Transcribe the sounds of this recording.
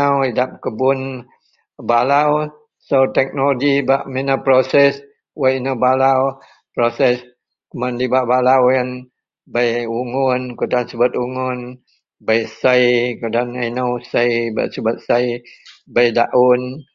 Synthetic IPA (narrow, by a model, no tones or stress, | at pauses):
awidap̚kəbun | balaw | sowt̪ɛk̚noloɡibaʔminapɾosɛs | wainawbalaw | pɾosɛs | kəmandibaʔbalawjən | bajuŋʊnkudansibat̪uŋun | bajsajkudanajnowsajba̰ʔsubət̪̚sajbajdaʔun